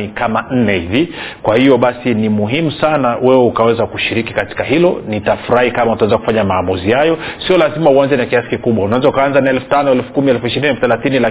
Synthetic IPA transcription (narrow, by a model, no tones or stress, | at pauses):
ikaman̩nɛhivikwahijɔɓasinimuɦimusanawɛwɛukawɛzakuʃiɾikikati̥kaɦilɔnitafuɾahikamautaɛzakufaɲamaːmuzihajɔsiɔlazimauanzɛnakiasi̥kikuɓwaunawɛzaukaanzaniɛlfu̥tanɔɛlfu̥kumiɛlfuiʃiɾiniɛlfθɛlaθinila